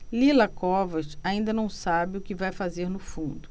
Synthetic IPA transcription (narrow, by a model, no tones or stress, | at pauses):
lilɐkɔvɐt͡ʃaĩnd̪ɐnɐ̃w̃sabɪʊkɪvajfazeɾnʊfũnd̪ʊ